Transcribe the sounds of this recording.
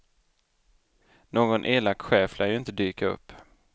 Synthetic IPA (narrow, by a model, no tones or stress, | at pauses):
noːɡɔnʔeːlakːɧɛːflʔajɵɪnt̪əd̪yːkaɵ̰pː